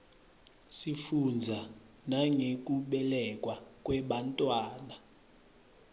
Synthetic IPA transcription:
sifund͡zʱa | naŋek̬ʼuɓɛlɛkʼwakʼwɛɓantʼwaːna

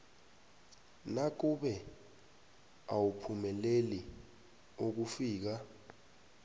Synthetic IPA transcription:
nak̬uɓɛ | awupʰumɛleli | ok̬ufiːk̬a

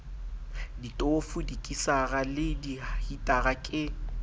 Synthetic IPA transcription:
ditʼofʊdikʼisaɣalɪdihitʼaɣakʼɪ

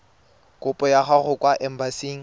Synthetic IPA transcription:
kʼʊpʼɔjaχaɣʊkʼwaʔɛm̩basiːŋ̩

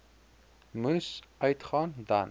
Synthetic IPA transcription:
musʔœɥtχɑːndɐ̰n

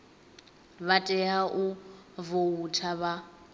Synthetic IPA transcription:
βatʼɛɦaʔʊvoutʰaβa

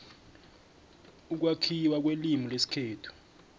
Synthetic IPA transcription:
uk̬wakʰiwak̬welimilesi̥kʰeːtʰu̥

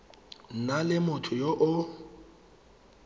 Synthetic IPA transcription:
n̩nalɪmʊtʰʊjoʔʊ

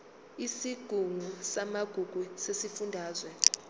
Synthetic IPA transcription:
isiɡ̥ʱuŋusamaɡ̥ʱuɡ̥ʱusesifundʱaːzwɛ

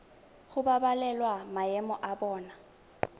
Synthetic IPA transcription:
ɣʊbabalɛlwamajɛmɔʔabɔːna

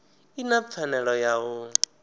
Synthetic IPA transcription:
inap̪fʰanɛɺɔjaɣʊ

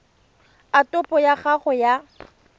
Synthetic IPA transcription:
atʼɔpʼɔjaχaχɔja

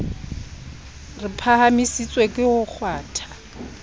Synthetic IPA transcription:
rɪpʰahamisit͡sʼwekʼɪhʊk͡xʰwaːtʰḁ

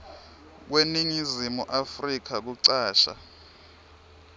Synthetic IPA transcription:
k̬weniŋizimuʔafrik̬ʰak̬uǀaːʃa̰

